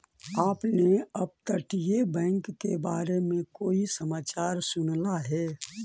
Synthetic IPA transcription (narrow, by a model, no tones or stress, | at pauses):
aːpneɐb̚t̪əʈijebɛ̃ːŋkːebaːɾemẽkoːisəmaːt͡ʃaːɾsʊnlaɦɛː